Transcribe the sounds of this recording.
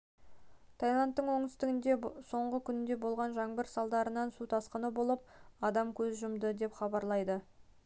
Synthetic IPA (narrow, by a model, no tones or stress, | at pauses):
t̪ʰajlˠɑnt̪ːəɴwo̞ŋt̪ɪst̪ɪɡʲɪnd̪e̞so̞ɴʁəkʲʰʏnɪnd̪e̞bo̞lˠʁɑnʒɑŋbəɾsɑlˠd̪ɑɾənɑnsut̪ʰɑsqənəbo̞lˠəp̚ɑd̪ɑmkʲʰɵzʒəʊmd̪əd̪e̞pχɑbɑɾlˠɑjd̪ə